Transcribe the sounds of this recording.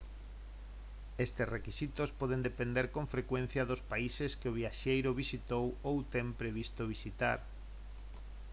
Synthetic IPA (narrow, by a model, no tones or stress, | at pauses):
est̪esrekisit̪ospɔðend̪epend̪eɾkõɱfɾekwẽn̟θjɐðʊspaiseskɪoβ̞iaʃejɾʊβisit̪owowt̪empɾeβist̪oβ̞isit̪a̰ɾ